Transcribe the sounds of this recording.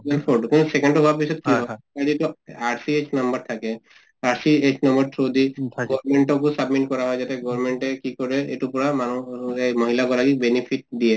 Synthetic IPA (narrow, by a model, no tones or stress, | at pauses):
belpʰɔɖkuñusekɔɳɖɔɦapisɔt̪̚kiɔt̪aɾietuaɹsiet͡ʃnɔmbɔɹt̪ʰake | aɹsiet͡ʃnɔmbɔɹtʰɹod̪iɡɔɾmeɳʈɔk̬usabmiʈ̚kɔɹaɦɔjd͡ʒat̪ɛɡɔɹmeɳʈɛkikɔɹɛeʈupɔɹamanuemɔɦilaɡɔlaɡik̚benipʰiʈ̚d̪ie